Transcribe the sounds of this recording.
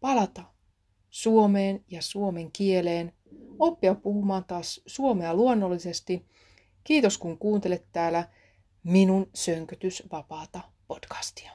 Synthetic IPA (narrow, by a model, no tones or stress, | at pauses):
pɑlɑt̪ɑ | suomeːnjɑsuome̞ŋkieleːn | o̞pːiɑppuhumɑːnt̪ɑːssuomeɑluonːo̞lːise̞st̪i | kiːt̪o̞skuŋkuːnt̪ele̞t̪ːæːlæ | minunsøŋkøt̪ysʋɑpɑːt̪ɑ | po̞tkɑ̥st̪i̥ɑ̥